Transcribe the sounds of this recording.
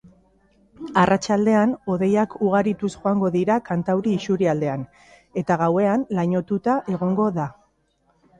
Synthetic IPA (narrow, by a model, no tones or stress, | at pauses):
arat͡ʃald̪e̞ano̞ðe̞jakuɣ̞aɾit̪usʝo̞aŋɡo̞ðiɾakant̪awɾiːsuɾiald̪e̞an | e̞t̪aɣawe̞anlaɲo̞t̪ut̪aʔe̞ɣ̞o̞ŋɡo̞ða